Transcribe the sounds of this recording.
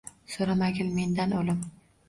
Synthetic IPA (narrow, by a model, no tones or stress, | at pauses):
soɾamaɡʲɪlme̞nd̪anolɪm